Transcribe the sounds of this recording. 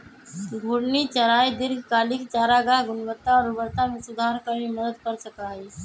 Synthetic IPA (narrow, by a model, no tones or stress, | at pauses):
ɡʱʊɽnit͡ʃɐɾaːid̪ɪɾɡʱkaːlɪkt͡ʃaːɾaɡaɦɡʊnʋət̪ːaɔːɾʊbəɾt̪amẽsʊd̪ʱaːɾkəɾiməd̪əd̪kəɾsəkaːi